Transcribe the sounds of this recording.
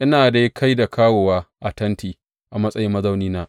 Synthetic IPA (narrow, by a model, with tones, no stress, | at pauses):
ʔɪ˦naː˨da˨jkʰa˦jda˨kʰaː˦woː˨waː˦ʔa˨tɐ˦ntʰiː˨ | ʔa˨mɐ˦sʼɐ˦jɪ˦mɐ˦zɐ˦wniː˦naː˦ʔ